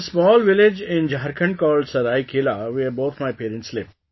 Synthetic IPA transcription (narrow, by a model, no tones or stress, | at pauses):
smɔːlʋɪlɪd͡ʒɪ̃nd͡ʒaɾkə̃ɳɖkɔːlɖsɐɾaːikʰeːlaʋiəboːt̪ʰmajpeːɾə̃ɳʈslɪʋ